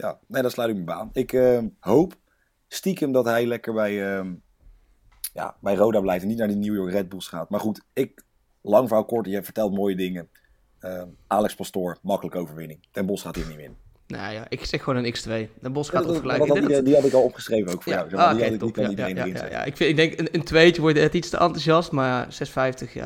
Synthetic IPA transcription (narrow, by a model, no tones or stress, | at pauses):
ja̰ːnejdɑtslœɥtɪkməbaːnɪkəmɦowp | stikəmdɑtɦɛjlɛkəɹbɛjəm | ja̰ːbɛjrowdaːblɛjftɛnitnaːɹdiniwjɔɹkrɛd̚bulˠsχaːtmaːɹχutɪk̚ | lɑŋvawkɔɹtjɛvəɹtɛlˠtmoːjədɪŋə | əʔaːlɛkspɑstʊːɹmɑkələkəowvəɹʋɪnɪŋtɛnbɔsχaːtɦiːɹnimɪ̰n | no̰jaʔɪksɛxːəʋoːnənɪkstʋejtɛnbɔsχaːəlɛjdiɑtɪkɑlˠɔpχəsrejvənowkfʊjawsɛdiɑtɪknitɔnidejnə̰ɪnz̰ɛ̰ja̰ʔɪ̰kfɪɪɡ̚dɛŋkənəntʋejtəʋɔɹtnɛtitstə̰ʔɑntuzjɑstmaːz̥ɛsfɛjftəxja̰